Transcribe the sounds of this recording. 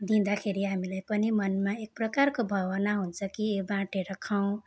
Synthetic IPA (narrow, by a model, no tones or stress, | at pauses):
d̪ĩnd̪akʰeɾiɦamilajpʌnimʌnmaek̚prʌkarkobʱʌwʌnaɦunt͡sʰʌkiebãʈeɾʌkʰaw̃